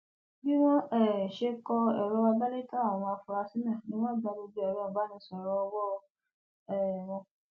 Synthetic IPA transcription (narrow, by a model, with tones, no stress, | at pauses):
bĩ˦w̃ɔ̃˦ɛ˦˨ʃe˧kɔ˧ɛ˨ɾɔ˨˦wa˧ba˦le˦tã˦˨ɔ̃˧ã˧fũ˧ɾa˧si˦mɛ̃˦˨nĩ˦w̃ɔ̃˦ba˧do˧be˦ɛ˨ɾɔ˦ɔ˨ba˨˦nĩ˧˦sɔ˨ɾɔ˧wɔ˦˧ | ɛ˦˨wɔ̃˧